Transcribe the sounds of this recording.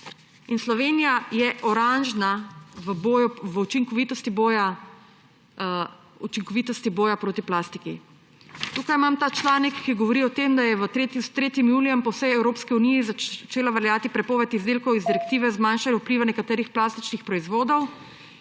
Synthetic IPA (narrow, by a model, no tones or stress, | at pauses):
inslɔʋeːnijajɛʔɔɾanʒnaʋəboːjuʋəut͡ʃiŋkɔʋit̪ɔst̪iboːja | ut͡ʃiŋkɔʋit̪ɔst̪iboːjapɾoːt̪iplast̪iki | t̪uːkajmamt̪aːt͡ʃlaːnikːiɡɔʋɔɾiɔt̪emd̪ajɛʋət̪ɾet̪it̪ɾeːt̪imjuːlijɛmpɔwsɛjɛwɾoːpskiunijizat͡ʃeːlaʋɛɾjaːt̪ipɾɛpɔːʋɛt̪izd̪eːlkɔwizd̪iɾɛkt̪iːʋɛzmaːnʃalʲɛupliːʋanɛkat̪ɛːɾixplaːst̪it͡ʃnixpɾɔizʋoːd̪ɔw